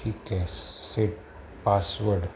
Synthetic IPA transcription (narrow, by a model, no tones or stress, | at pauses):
ikɛseʈ | paːsʋəɾɖ